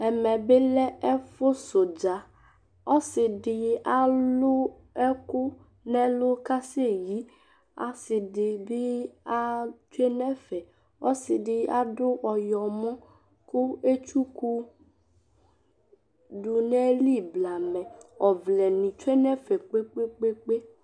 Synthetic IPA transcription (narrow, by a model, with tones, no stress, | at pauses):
ɛ˨mɛ̃˨be˦lɛ˦ɛ˦fo˦so˨d͡ʒa˨ | ɔ˦sɪ˨ɖɪ˨a˦lʊ˦ | ɛ˦kʊ˦ | nɛ̃˦lʊ˦ka˦se˦ji˦ | a̰˨sɪ˨ɖɪ˨bi˦a˦t͡ʃu˦e˦nɛ̃˦fɛ˨ | ɔ̰˦sɪ˨ɖɪ˨a˦ɖʊ˦ʔɔ˨jɔ˨mɔ̃˦ | kʊ˦e˦t͡ʃu˦ku˦ | ɖu˨nɛ̃˦li˦bla˨mɛ̃˨ɔ˨vlɛ˨nĩ˨t͡ʃu˦e˦nɛ̃˦fɛ˨k͡pe˦k͡pe˦k͡pe˦k͡pe˦